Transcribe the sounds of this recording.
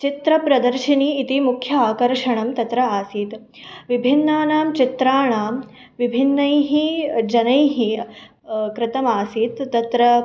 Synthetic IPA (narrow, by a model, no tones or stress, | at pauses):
t͡ʃit̪ɾɐpɾɐd̪ɐɾʃiniːt̪imukʰjɐaːkɐɾʂɐɳɐmt̪ɐt̪ɾɐaːsiːt̪ | ʋibʱinːaːnaːmt͡ʃit̪ɾaːɳaːm | ʋibʱinːɐjɦid͡ʒɐnɐjɦi | kɾɪt̪ɐmaːsiːt̪ːɐt̪ɾɐ